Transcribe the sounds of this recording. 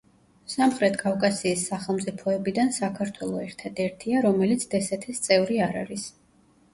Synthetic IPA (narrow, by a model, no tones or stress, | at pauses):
samχɾɛt̪ʰkʼafkʼasiːsːaχɛlˠmt̪sʼipʰɔɛbid̪ansakʰaɾt̪ʰwɛlˠɔɛɾt̪ʰad̪ɛɾt̪ʰiaɾɔmɛlit̪sʰd̪̥ɛsɛt̪ʰist̪sʼɛvɾiaɾa̰ɾis